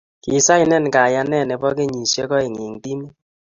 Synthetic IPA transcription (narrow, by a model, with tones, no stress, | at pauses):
ki˨sa˦i˨nɛ˦˨n˨ka˨ja˧nɛ˦˨nɛ˨bɔ˦ke˦ɲi˨sjɔ˦kɔ˦e˨ŋe˨ŋti˦mi˦